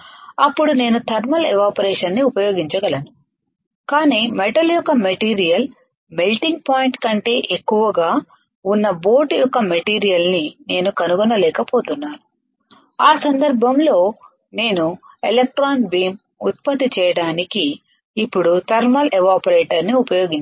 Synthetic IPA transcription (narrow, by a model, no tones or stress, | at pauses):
ɐpːuɽune̞ːnut̪ʰɐɾmɐlɛʋaːpɐɾɛːʂɐnːiupɐjo̞ːɡiɲt͡ʃɐɡɐlɐnu | kaːniːmeʈɐljɔkːɐmɐʈiːɾijɐl | melʈiŋɡ̚paːjiɳʈkɐɳʈe̞ːʔekːuʋɐɡaː | unːɐbo̞ːʈjɔkːɐmɐʈiːɾijɐlnine̞ːnukɐnuɡɔnɐlɛːkɐpo̞ːt̪unːaːnu | aːsɐnd̪ɐɾbʱɐmlo̞ː | ne̞ːnu | elek̚ʈɾaːnbiːm | ut̪̚pɐt̪ːit͡ʃɛːjɐɽaːnikiː | pːuɽut̪ʰɐɾmɐlʔɛʋaːpɐɾeːʈɐɾniupɐjo̞ːɡiɲ